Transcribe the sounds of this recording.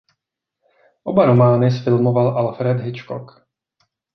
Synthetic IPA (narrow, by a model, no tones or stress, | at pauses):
ʔo̞baɾomaːnɪs̬fɪlmo̞valʔalfɾɛd̪ɦɪt͡ʃko̰k